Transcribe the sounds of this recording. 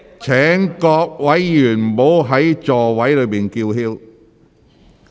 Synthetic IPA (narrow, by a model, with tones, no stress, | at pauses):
t͡sʰɛː˨˥ŋkɔː˧k̚wɐ˨˥jːyː˨˩n̩˨˩mo˨˧˥wɦɐ˨˥jt͡sɔː˨˩wɐ˨˥jlɵ˨˧ɥpiː˨nkiː˧wɦiː˥w